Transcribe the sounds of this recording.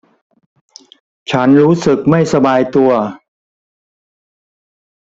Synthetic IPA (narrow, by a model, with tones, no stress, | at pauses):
t͡ɕʰa˦˥nɾuː˦˥sɯ˨˩k̚ma˥˩jsa˧baː˧jt̪u˧ɐ